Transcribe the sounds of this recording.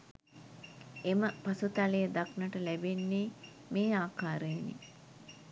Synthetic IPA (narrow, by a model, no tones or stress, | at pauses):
eməpasut̪alejəd̪aknəʈəlæbenːeː | meːaːkaːɾəjnḛ